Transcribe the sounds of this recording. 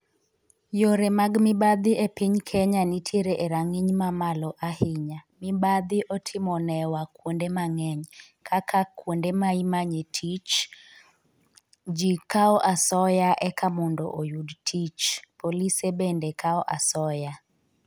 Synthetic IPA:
joɾemaɡmɪbad̪ɪepiɲkʰɛɲanitʰjeɾeʔeɾaŋiɲmamalɔʔahɪɲamɪbad̪ɪʔɔtʰɪmɔnɛwakwondemaŋɛɲ | kʰakʰakwondemaimaɲetʰit͡ʃ | d͡ʒikaɔʔasɔjaʔɛkʰamɔndɔ̰ʔojudtʰit͡ʃpolisebendekaɔʔasɔja

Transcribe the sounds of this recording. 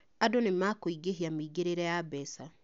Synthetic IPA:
adonemakoiɡeɦiamiɡeɾeɾɛjabɛsa

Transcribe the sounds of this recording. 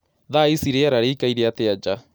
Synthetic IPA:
ðaisiɾeaɾaɾeikaiɾeat̪ead͡ʒa

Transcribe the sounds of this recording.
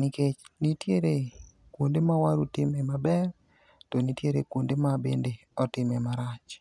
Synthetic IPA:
niket͡ʃnitjeɾe | kwondemawaɾutɪmɛmabɛr | tonitjeɾḛkwondemabḛnde | ɔtɪmɛmaɾat͡ʃ

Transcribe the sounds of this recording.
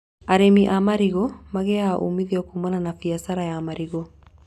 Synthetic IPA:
aɾemiʔamaɾiɣɔmaɣɛaʔṵmiðiɔkumananafiasaɾajamaɾiɣɔ

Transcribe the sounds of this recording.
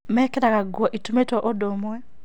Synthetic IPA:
mɛkɛɾaɣaɡwɔʔitumetɔʔodomwɛ

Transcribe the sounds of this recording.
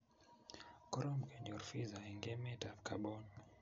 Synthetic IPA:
kɔɾɔmkɛnɔɾfizaiŋɡɛmɛtafkaɓɔn

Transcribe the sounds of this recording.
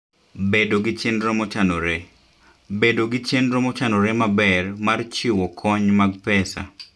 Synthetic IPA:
bedoɡɪt͡ʃenɾomɔt͡ʃanoɾe | bedoɡɪt͡ʃenɾomɔt͡ʃanɔɾɛmabɛrmart͡ʃiwɔkʰɔɲmaɡ̚pɛsa̰

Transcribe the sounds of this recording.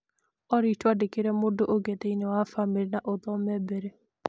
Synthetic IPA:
ɔɾitwadekeɾɛmodoʔoɡeteiɲɛwafamiɾinaʔoðɔmɛbɛɾe

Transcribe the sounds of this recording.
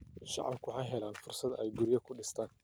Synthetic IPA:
ʃɑ̰ʕɑ̰bkʰʊwħɑjɦɛlaːnfʊrsɐd̪ɛjɡʊɾɪjɐkʰʊɖɪst̪ʰaːn

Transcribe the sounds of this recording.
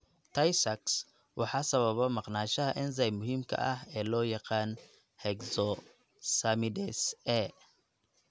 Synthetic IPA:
t̪ʰɐjsɐks | wʔɑħɑːsɐβɐβɔmɑqnaːʃɐɦɐʔɛns̬ɐjmʊɦiːmkʰɐ̰ʔɐɦɛːlɔːjɑqɑːn | hɛɡsɔ | sɐmɪdɛsɛ

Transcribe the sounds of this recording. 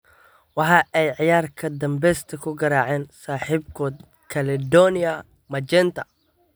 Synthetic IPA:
wɑħɑːʔɛjʕɪjaːrkʰɐd̪ɐmbɛːst̪ʰɐkʰʊɡɐɾaːʕɛːnsaːħiːbkʰɔːd̪̚ | kʰɐlɪd̪ɔnɪɐ | mɐd͡ʒɛːnt̪ʰɐ

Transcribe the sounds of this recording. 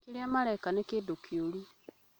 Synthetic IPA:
kiɾiamaɾajkanekedokʰiolu

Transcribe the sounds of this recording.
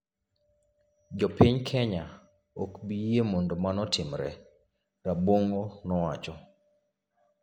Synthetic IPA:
d͡ʒɔpɪɲkʰɛɲa | okbijemɔndɔmanɔtʰɪmɾɛ̰ | ɾabwoŋonɔwat͡ʃɔ

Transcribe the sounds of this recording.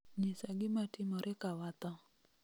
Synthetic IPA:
ɲisaɡɪmatimɔɾʔɛkawat̪ɔ

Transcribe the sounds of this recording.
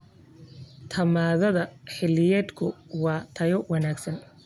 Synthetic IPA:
t̪ʰɐmaːðɐðɐħɪlːɪjɛːd̪kʰʊwɑːt̪ʰɐjɔwɑnaːɡsɐn

